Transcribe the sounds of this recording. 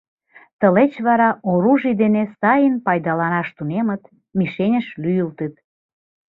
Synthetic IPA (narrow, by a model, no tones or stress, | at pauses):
t̪əlet͡ɕβɑɾɑoɾuʒijd̪enesɑjənpɑjd̪ɑlɑnɑʃt̪unemə̆t̪ | miʃenʲəʃlyjəlt̪ət̪̚